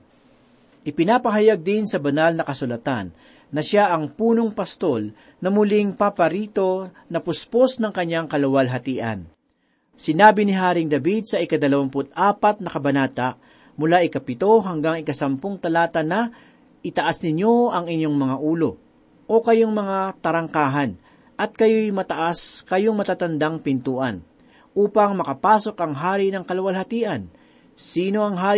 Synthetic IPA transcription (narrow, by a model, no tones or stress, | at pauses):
ʔɪpɪnapɐɦɐjaɡ̚d̪ɪnsɐbɐnalnɐkɐsʊlɐt̪a̰nː | ɐʃaʔɐŋpuːno̞ŋpɐst̪o̞l | nɐmʊlɪŋpapɐɾiːt̪o̞ | nɐpʊsposnɐŋkɐɲːaŋkɐlɐwɐlɦɐt̪iːʔɐ̰n | sɪnaːbɪnɪɦaːɾɪŋd̪ɐbid̪̚sɐɪkɐd̪ɐlɐwampʊt̪̚ʔaːpɐt̪̚nɐkɐbɐnaːt̪aʔ | mʊlaʔɪkɐpɪt̪o̞ɦɐŋɡaŋɪkɐsɐmpoŋt̪ɐlaːt̪ɐnɐ | ʔɪt̪ɐʔasnɪɲjo̞ɐŋɪɲo̞ŋmɐŋaʔuːlo̞ | ʔo̞kɐjoŋmɐŋat̪ɐɾɐŋkaːɦɐn | ʔɐt̪̚kɐjojmɐt̪ɐʔaskɐjoŋmɐt̪aːt̪ɐnd̪aŋpɪnt̪uːʔɐn | ʔuːpɐŋmɐkɐpaːso̞kʔɐŋɦaːɾinɐŋkɐlɐwɐlhɐt̪iːʔɐn | siːno̞ɐŋɦaː